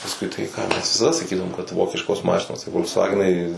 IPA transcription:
pɐsˈkʊɪ tɐɪ ˈkɑː ˈmʲɛs ʋʲɪsɐˈdɐ sɐˈkʲiːdɐʋoːm kɐt ˈʋoːkʲɪʃkoːs ˈmɑːʃʲɪnoːs tɐ foːlʲksˈʋɑːɡʲɛnɐɪ

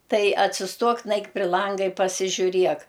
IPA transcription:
ˈtɐɪ ɐtʲsʲɪsˈtuɔk ˈnɐɪk pʲrʲɪ ˈlˠɐŋɡɐ ɪ pɐsʲɪʒʲʊˈrʲiɛk

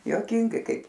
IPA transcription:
juɔˈkʲɪŋɡɐɪ ˈkɐɪp

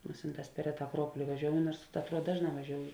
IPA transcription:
ˈmʊsʲɪnˌtɑːs pʲɛr ˈrʲæːˌtɑː ɐˈkruɔpoːlʲɪ ʋɐˈʒʲoːʊjoː ˈnuɔrs ɐtˈruɔt ˈdɑːʒˌnɑː ʋɐˈʒʲoːʊjoː

